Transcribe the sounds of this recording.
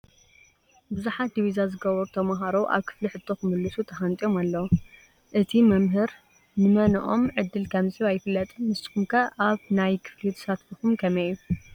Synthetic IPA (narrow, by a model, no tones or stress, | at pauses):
bɨzuħat̪̚d̪iβizazɨɡɐβɐɾt̪ʰɐmaɦaɾowʔa̰βkʰɨ̥fliħɨt̪ʰːo̞xɨmɨlːɨsut̪ʰɐxant̪ʼio̞malːɐw | ʔɨt̪ʰimɐmɦɨɾ | nɨmɐnɨʔo̞mʕɨd̪ːɨlkʰɐmziβajːɪfɨlːɐt̪ʼɨmɨst̪ʼɨ̥kumkʰɐʔaβnajkʰɨ̥flit̪ʰɨ̥sat̪bɨxumkʰɐmɐjːu